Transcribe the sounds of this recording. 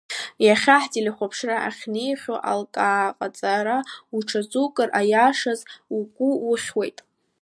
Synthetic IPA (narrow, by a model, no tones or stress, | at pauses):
jaχʲaħtʼiliχʷapʰʂraʔa̰χʲnejχʲoʔa̰lkʼaːqʼat͡sʼaɾauʈ͡ʂʰat͡sʼukʼɨrʔajaʂazuɡʷʼuwʊχʲwe̞jtʼ